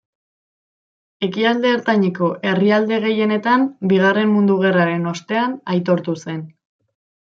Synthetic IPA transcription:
e̞kiald̪e̞ːɾt̪aɲiko̞ʔe̞riald̪e̞ɣ̞e̞je̞ne̞t̪ambiɣ̞are̞mmund̪uɣ̞e̞raɾe̞no̞st̪e̞anajt̪o̞ɾt̪use̞n

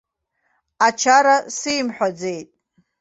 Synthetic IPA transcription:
at͡ʃʰaɾasɨjmħʷᶣad͡ze̞jtʼ

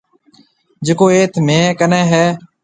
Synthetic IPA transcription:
d͡ʒɪkoːeːt̪ʰmẽːkənɛ̃ːɦɛː

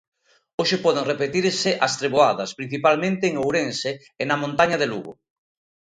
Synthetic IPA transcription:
oʃepɔðeŋrepet̪iɾsɪʔɐst̪ɾeβoaðɐspɾin̟θipalmẽnt̪eːŋowɾense | enɐmõnt̪aɲɐðelṵɣʊ̰

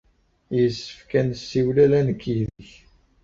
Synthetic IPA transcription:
jəsːə̥fkænsːiwlælænəkːiðəç

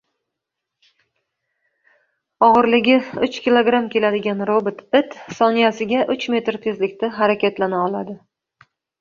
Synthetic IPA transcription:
ɒʁɨɾlɪɡʲɪʊt͡ʃkʲilˠoɡɾamkʲe̞lad̪ɪɡʲanɾobɪt̪ʰɪt̪sɒnijasɪɡʲaʔʊt͡ʃme̞t̪ɾt̪ʰezlɪkʲt̪aɦaɾakʲat̪lanaɒlˠad̪ɪ

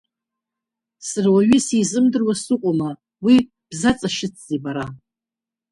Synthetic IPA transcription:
sɨrwaɥisizɨmdɨrwasɨqʷʼoma | wi | b̥zat͡sʼaʃɪt͡sʰzebaɾa

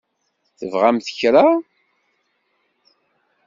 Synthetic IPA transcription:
θəvʁamθəçɾa

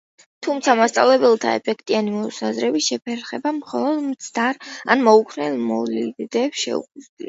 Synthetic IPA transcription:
t̪ʰumt̪sʰamast̪sʼa̰vlɛbɛlˠt̪ʰa̰ɛ̰pʰɛkʰt̪ʼianimɔsazɾɛbiʃɛpʰɛɾχɛbamχɔlˠɔd̪mt̪sʰd̪aɾa̰nmɔukʰnɛlmɔliɡd̪ɛpsʃɛ̰ṵqud̪zlḭa

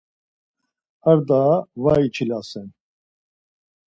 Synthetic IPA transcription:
aɾd̪avait͡ʃʰilasɛn

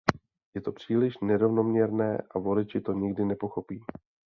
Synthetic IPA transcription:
jɛt̪o̞pr̝̥iːlɪʃnɛɾo̞vno̞mɲɛɾnɛːʔavo̞lɪt͡ʃɪt̪o̞ɲɪɡdɪnɛpo̞xo̞piː

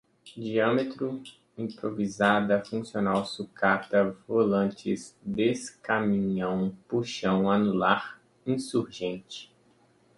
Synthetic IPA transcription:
d͡ʒiɐ̃met̪ɾʊ | ĩpɾovizad̪ɐfũsionawsukat̪ɐvolɐ̃nt͡ʃɪzd̪eskamĩɲɐ̃w̃puʃɐ̃w̃anulaɾ | ĩsuɾʒẽnt͡ʃɪ̥

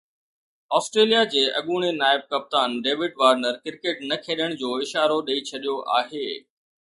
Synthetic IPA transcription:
ɔːsʈɾeːlijad͡ʑeːʔɐ̰ɠuːɽ̃enaːɪb̚kɐp̚t̪aːnɖeːʋɪɖʋaːɾnəɾkɪɾkeːʈnɐkʰeːɗəɽ̃d͡ʑoːɪʃaːɾoɗɐit͡ɕʰɐɗijoʔa̰ːɦeː

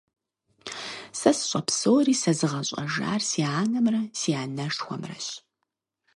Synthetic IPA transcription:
sɐsɕʼɐpsoːriːsɐzɨʁɐɕʼɐ̰ʒa̰ːrsiaːnɐmrɐsiaːnɐʂxʷɔmrɐ̰ɕ

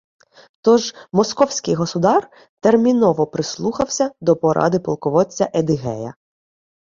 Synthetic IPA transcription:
t̪ɔʒmɔskɔwsʲkɪjɦɔsʊd̪ɑr | t̪ermʲinɔʋɔpɾɪslˠuxɐwsʲɐd̪ɔpɔɾɑ̰d̪ɪpɔ̰lˠkɔʋɔt͡sʲːɐʔed̪ɪɦɛ̰jɐ̰

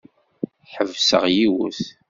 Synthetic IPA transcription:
ħəvsə̰ʁjiwə̰θ

